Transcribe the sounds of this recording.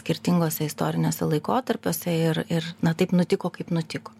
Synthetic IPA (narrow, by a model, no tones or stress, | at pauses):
sʲkʲɪɾʲt̪ʲɪŋɡoːsʲɛɪst̪oːɾʲɪnʲoːsʲɛlˠɐɪkoːt̪ɐɾʲpʲoːsʲɛɪrɪrnɐt̪ɐɪpnʊt̪ʲɪkoːkɐɪpnʊt̪ʲɪkoː